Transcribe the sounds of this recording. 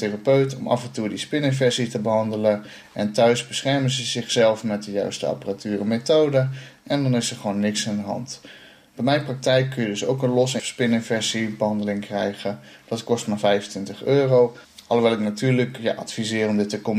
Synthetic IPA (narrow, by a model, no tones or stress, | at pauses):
terapøɥtɔ̰mɑ̰fɛntudispɪnɪnvɛɹsitəbəɦɑndələn | ʔɛntœɥzbəsχɛɹmənzəzɪχsɛlˠfmɛt̚dəjœ̰ɥstə̰ɑ̰pəratyːrəmetowdəʔɛndɑnɪsəɹχʋonːɪksandəɦɑ̰nt | b̥ɛjmɛjnprɑk̚tɛjkʰːɵnjədɵsowkənlɔsspɪnɪnvɛɹsibəɦɑndəlɪŋkrɛjχəd̥ɑtkɔstmaɹvɛjvəntʋɪntəχøːrow | ɑlˠoʋɛlˠɪknatyːɹləkja̰ʔɑtfizɪːrɔmdɪtəkɔm